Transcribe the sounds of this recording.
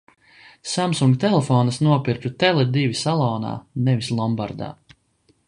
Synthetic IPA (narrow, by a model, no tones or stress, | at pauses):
samsuŋɡt̪ɛlˠɛfɔːnɐsnuɔpiɾput̪ɛlˠɛd̪ivisalˠɔːna̰ːnɛvislˠɔmbaɾd̪a̰ː